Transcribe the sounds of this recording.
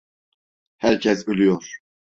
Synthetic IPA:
hæɾcʰɛsølyjoɾ

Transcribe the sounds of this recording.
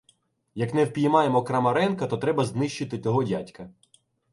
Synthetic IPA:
jɐknɛwpʲijmɑjemɔkɾɐmɐɾɛnkɐt̪ɔt̪ɾɛbɐznɪʃt͡ʃɪt̪ɪt͡sʲɔɦɔdʲatʲkɐ

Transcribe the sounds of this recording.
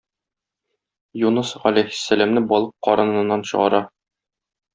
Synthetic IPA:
junɤsʁælæjhɘ̥̆sːælæmnɘbɒlˠɤp̚qɒɾɤ̆nɤ̆nɤ̆nːɑnɕɤ̆ʁɑ̰ɾɑ

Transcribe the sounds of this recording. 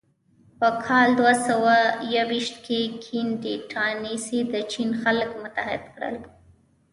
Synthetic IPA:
pəkʰɑld̪wasawajawiʃt̪kʰekʰinɖiʈʰanisid̪ət͡ʃinxalkmʊt̪ahɪ̰d̪kɽə̰l

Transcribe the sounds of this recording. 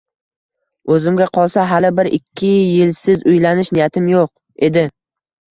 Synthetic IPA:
ɵzɪmɡʲaqʰɒlˠsaɦalɪbɪɾɪkʲʰːɪjɪlsɪzʊjlanɪʃnɪjat̪ʰɪmjoq | e̞d̪ɪ

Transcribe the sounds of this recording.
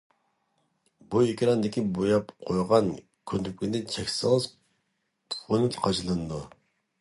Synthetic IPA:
buikʲɾɑnd̪ɪkʲibojɑpqʰojʁɑn | kʲʰønd̪ypʲkʲind̪ɪt͡ʃʰɛkʲsɨlˠz | pʰunɨt̪qʰɑt͡ʃʰɨlˠɨnɨd̪u

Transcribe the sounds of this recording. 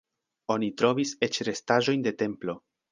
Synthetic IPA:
o̞nitɾo̞viset͡ʃɾe̞staʒo̞jnde̞te̞mplo̞

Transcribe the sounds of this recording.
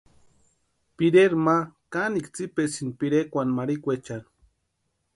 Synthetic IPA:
piɾeɾmakanikt͡sipesinpiɾekʷanmaɾikʷet͡ʃan

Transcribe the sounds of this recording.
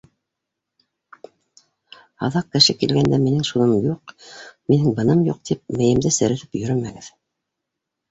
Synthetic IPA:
ɑ̰ðɑq̚kɘ̆ʃɘkilɡænd̪æminɘŋʃunɤjuqminɘŋbɤ̆nɤmjuq̚t̪ʰip̚mɘ̆jɘ̆md̪ɘsɘ̆ɾɘ̆θɘpjɵ̆ɾɵmæɡɘð

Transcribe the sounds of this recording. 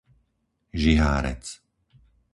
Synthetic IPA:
ʒiɦa̰ːɾɛ̰t͡s

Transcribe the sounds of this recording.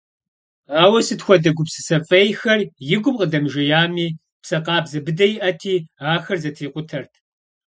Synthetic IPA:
aːwɐsɨtxʷɔdɐɡʷʊpsɨ̥sɐfʼɐjxɐrjɪɡʷʊmqədɐmʒɐjaːmiː | psɐqɑːbzɐbɨdɐjɪʔɐtʰiːaːxɐrzɐtʰiːqʷʊtʰɐrtʰ

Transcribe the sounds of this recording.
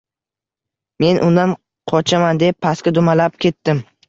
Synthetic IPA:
me̞nʔʊ̰nd̪an | qʰɒt͡ʃʰamand̪epʰːaskʲad̪ʊmalap̚kʲʰe̞t̪ːɪm

